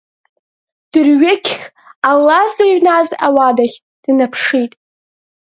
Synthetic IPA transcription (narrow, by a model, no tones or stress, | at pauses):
d̥ɨrɥekʲʰχʲ | alːazaɥnaza̰wadaχʲ | d̥napʰʂitʼ